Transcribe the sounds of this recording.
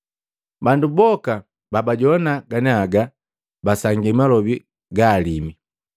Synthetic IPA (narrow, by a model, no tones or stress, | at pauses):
bandubɔka | babaɟɔnaɡanɛaɡa | basaŋɡɛmalɔbi | ɡaːlimi